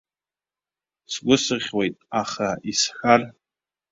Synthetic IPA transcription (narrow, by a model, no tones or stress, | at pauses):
sɡʷʊsɨʁʲwe̞jtʼaχaisħar